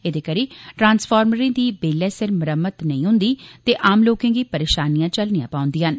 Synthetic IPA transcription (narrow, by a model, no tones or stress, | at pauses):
ɪd̪eːkəɾiːʈɾãːnsfʰaːɾməɾẽːd̪iːbeːlɛːsɪɾməɾəmːət̪nəĩːɦʊ̃nd̪iːt̪eːʔaːmloːkẽːɡiːpəɾeːʃaːnijãːt͡ʃəlnijã̰ːpaːʊ̃nd̪iːɦən